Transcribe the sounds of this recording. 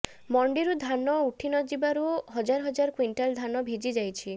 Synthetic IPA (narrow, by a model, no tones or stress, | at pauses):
mɔɳɖiɾud̪ʱanɔuʈʰinɔd͡ʒibaɾuɦɔd͡ʒaɾɦɔd͡ʒaɾkwiɳʈald̪ʱanɔbʱid͡ʒid͡ʒajt͡ʃʰi